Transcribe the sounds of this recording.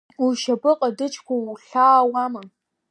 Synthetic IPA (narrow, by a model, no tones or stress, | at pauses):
uʃabɨqʼadɨt͡ʃʰkʷʰaɬaːwama